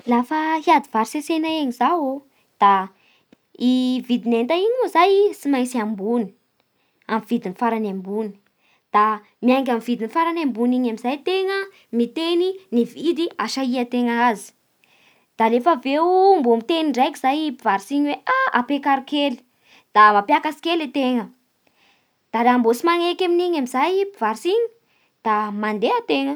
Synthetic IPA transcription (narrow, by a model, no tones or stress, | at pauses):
lafəɦiad̪ivaɾisesenaeɲizawo | d̪̥a | ivid̪inent̪aiɲuzajsimajsiambuni̥ | amivid̪inifaɾanambuni̥ | d̪̥a | miajŋɡʲamvid̪inifaɾanambuniɲamizajt̪eŋə | mit̪eninivid̪iaʃaiat̪eŋaazi̥ | d̪̥alefəveumbomit̪eniɳɖ͡ʐajkʲizajpivaɾisiɲweʔaapekaɾikeli̥ | d̪̥amapjakasi̥kʲelet̪eŋə | d̪̥aɾambosimaŋekaminiɲamizajpiv̥aɾisiɲi̥ | d̪̥amand̪eət̪eŋə